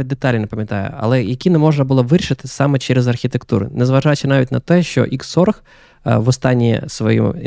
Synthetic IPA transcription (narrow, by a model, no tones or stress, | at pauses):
d̪et̪ɑlʲnʲinɐpɐmʲjɐt̪ɑjʊ̰ɐ̰lˠɛjɐkʲinɛmɔʐnɐbʊlˠɔʋɪʃɪt̪ɪsɑmɛt͡ʃɛɾɛzɐrxʲit̪ekt̪uɾʊ̰nɛzʋɐʒɑt͡ʃɪnɑʋʲitʲnɐt̪ɛʃt͡ʃɔ̰ʔiksɔrx | ʋɔst̪ɑnʲːḭsʋɔjṵ